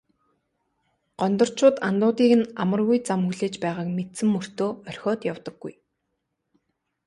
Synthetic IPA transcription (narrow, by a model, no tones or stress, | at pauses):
ɢ̥ɔnt̪ɞ̆r̥t͡ɕʰʊːt̪ant̪ʊːt̪iːkɘ̆namə̆rɣujt͡samxuɮeːt͡ɕpæːʁaːkmet̪sɘ̆mːɵr̥t̪oːmœr̥ʲxʲɔːt̪jawt̪ə̆ɡːṵj